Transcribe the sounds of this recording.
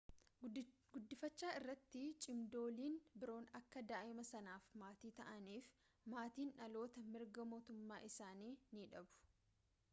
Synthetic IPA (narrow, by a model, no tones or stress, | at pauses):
ɡʊd̪ːɪfɐt͡ʃːaːɪrːɐt̪ːɪt͡ʃʼɪmd̪o̞ːliːnbɪɾo̞ːnɐkːɐd̪aːʔɪmɐsɐnaːfmaːt̪iːt̪ɐʔɐniːf | maːt̪iːnʔɐlo̞ːt̪ɐmɪɾɡɐmo̞ːt̪ʊmːaːʔɪsaːniːniᶑɐbʊ̥